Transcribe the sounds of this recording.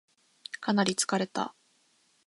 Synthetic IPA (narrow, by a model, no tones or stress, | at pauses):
kʰanaɾʲit͡sɨ̥kaɾe̞t̪a̰